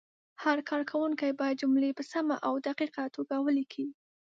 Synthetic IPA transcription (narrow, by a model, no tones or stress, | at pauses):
haɾkʰɑɾkʰawuŋkajbɑjad̪d͡ʒʊmlepəsamaʔawd̪aqiqat̪oɡawəlikʰi